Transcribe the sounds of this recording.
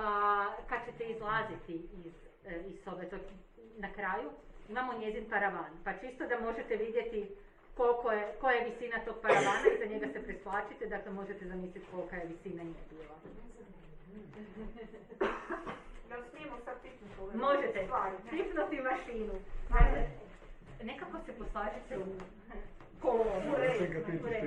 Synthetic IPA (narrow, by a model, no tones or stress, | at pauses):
akad̪̥̚t͡ɕe̞t̪e̞izlˠaːzit̪iːz | isoʋet̪o | nakɾaːjuimamo̞ɲe̞zinpaɾaʋaːnpat͡ʃist̪o̞d̪amo̞ʒet̪e̞ʋid̪je̞t̪i | ko̞lkojekojajeʋisiːnat̪oɡ̚paɾaʋaːnaizaɲe̞ɡase̞pɾesplˠaːt͡ʃit̪ed̪aklemo̞ʒet̪ezamiːslit̪ko̞lkajeʋisinaniebiːlˠa | ɡ̪asnimosad̪̚pipnut̪omo̞ʒet̪eapipnut̪iʋaʃiːnua | ne̞kakoseposlˠaːʒit̪eu | koloeiɡpiɾe